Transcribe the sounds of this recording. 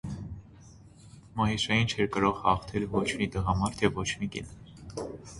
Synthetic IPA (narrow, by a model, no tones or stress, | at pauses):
mɑɦiʃɑjint͡ʃʰɛɾkəɾɔʁhɑχt̪ʰɛlvɔt͡ʃʰmid̪əʁɑmɑɾt̪ʰɛvɔt͡ʃʰmikɛ̰n